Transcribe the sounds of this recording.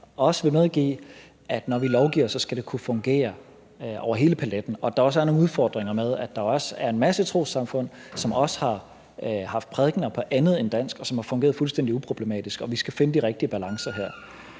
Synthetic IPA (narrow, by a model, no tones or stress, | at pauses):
ɒ̽səʋe̝meðˠɡ̥ḭː | ʔæd̥nɒʋilɒʊɡ̥ḭːɐsːɒ̽sɡ̥æɾ̥e̝kʰufɔ̽ŋɡ̥e̝̰ːɐ | ʔɒ̰ʊ̰ɐɦe̝ːləpʰæled̥n̩ɒ̽d̥ɑ̈ɒ̽sæɐno̝ːn̩uðˠfɒ̰ːd̥ʁeŋɐmeð̞ˠæd̥ɑ̈ɒ̽sæɐe̝nmæsət͡sʰʁo̝̰ːsɑ̈mfɔ̽n̰sɒ̽mɒ̽sə̥hɑ̈ | hɑ̈fd̥̚pʰʁɛðˠɡ̥n̩ɐpʰɒ̽ʔænð̞̩ˠe̝nd̥æn̰sɡ̥ɒ̽sɒ̽mhɑ̈fɔŋɡe̝ːɐðˠfulsd̥en̰d̥iupʰʁo̝b̥le̝mɛ̰ːd̥isɡ̥ɒ̽ʋisɡ̥æfe̝nəd̥iʁeɡ̥̚d̥iəb̥ælɑ̈ŋsɐɦeɐ̰